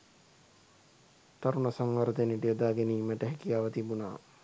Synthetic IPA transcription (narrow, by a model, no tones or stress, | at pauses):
t̪aɾunasaŋʋaɾət̪eniʈijəd̪aːɡeniːmæʈəɦɛkijaːʋət̪ibuna̰ː